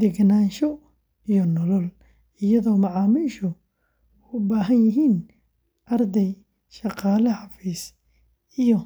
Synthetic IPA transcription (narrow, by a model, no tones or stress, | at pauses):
d̪ɛɡnaːnʃɔ | ijɔnɔlɔl | ɪjɐðɔːmɑʕɑːmiːʃʊ | ʊbaːɦɐnjɪɦiːn | ʔɐrd̪ɛj | ʃɑqɑːlɐħɑfiːs | ijɔ